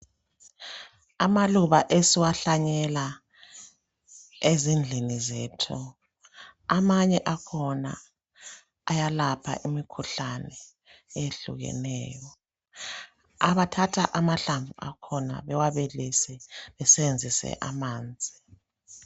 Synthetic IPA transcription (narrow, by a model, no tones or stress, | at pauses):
amaluβaʔesiwaɬaɲɛla | ezind͡ɮʱinizetʰu | amaɲɛʔakʰɔna̰ | ajalapʰa̰ʔimikʰuɬanɛ | eɬṵɣɛ̰nɛːjɔ | aβatʰatʰaʔamaɬaɱvuakʰɔna̰βɛwaβelisɛβɛsɛβend͡zʱisɛ̰ʔamaːnd͡zʱi